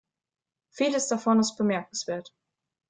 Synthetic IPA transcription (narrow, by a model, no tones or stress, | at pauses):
fiːləsd̥afɔnɪst̚b̥əmɛɐk̚n̩sv̥eːɐt